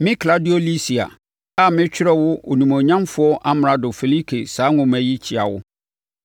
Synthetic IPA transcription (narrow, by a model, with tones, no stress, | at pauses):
mɪ̃˦kʰla˦dɪ˦ɔ˦li˦si˨a̰˨ | a˦˨mɪ̃˦t͡ɕᶣɪ˦ɾɛ˦wʊ˦ʔo̰˨nũ˨mõ˨ɲã˦mfʊ˦ɔ˦ʔa˦m˨a˨dʊ˨fe˨li˦kʰe˨saː˨˦ŋʊ̃˨mæ̃˨ji˦t͡ɕʰɪ˨a˨wʊ̰˦